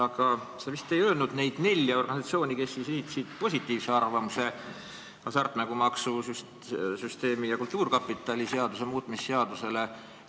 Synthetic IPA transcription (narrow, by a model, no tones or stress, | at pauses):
ɑɡ̥ɑsevist̪e̞jøːlnud̪̥ne̞jd̪̥ne̞lʲːjɑo̞rɡ̥ɑnʲisɑt̪sioːnʲike̞sːisesit̪ːˑi̥sid̪̥̚po̞sʲit̪ːˑiːvse̞ɑrvɑmuse̞ | kɑsɑrt̪ˑnæɡumɑksusys | syst̪e̞ːmijɑkult̪ˑːuːrkɑpːˑit̪ːˑɑlʲise̞ɑd̪use̞muːt̪ˑmisːe̞ɑd̪use̞le̞